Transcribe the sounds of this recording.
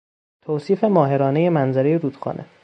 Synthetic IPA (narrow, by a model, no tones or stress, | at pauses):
t̪ʰoːsiːfe̞mɒːɦe̞ɾɒːneje̞mænzæɾe̞jeɾuːd̪̥xɒ̰ːnʔḛ